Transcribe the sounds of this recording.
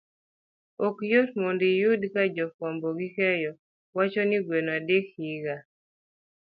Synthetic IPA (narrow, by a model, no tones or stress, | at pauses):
okjotmondijudkad͡ʒɔkwamboɡikɛjɔ | wat͡ʃoniɡwenadekhiɡa